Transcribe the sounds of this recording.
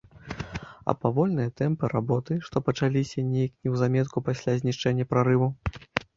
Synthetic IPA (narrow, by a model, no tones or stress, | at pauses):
ɐ̰pavɔlʲnɨjɐt̪ɛmpɨɾabɔt̪ɨʂt̪ɔpɐt͡ʂalʲisʲɐnʲejɐknʲɛwzamʲɛt̪̚kupasʲlʲazʲnʲiʂt͡ʂɛnʲːɐpɾaɾɨvu